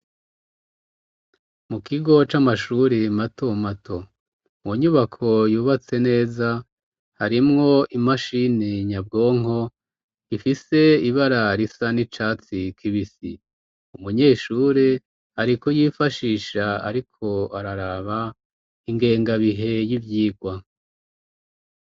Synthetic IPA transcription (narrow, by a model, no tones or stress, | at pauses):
mukiɡo̞t͡ʃamaʃuɾimatʰo̞matʰo̞ | mwoɲuβakʰo̞juːβat͡se̞ne̞ːza | haɾimŋo̞imaʃiniɲab̚ɡo̞ːŋo̞ | ifise̞iβaɾaɾisanit͡ʃaːt͡sikʰiβisi | umuɲe̞ːʃuːɾe | aɾikojiːfaʃiːʃaa̰ɾikʰo̞aɾaɾaːβa | iŋɡe̞ːŋɡaβiɦe̞jivjiːɡwa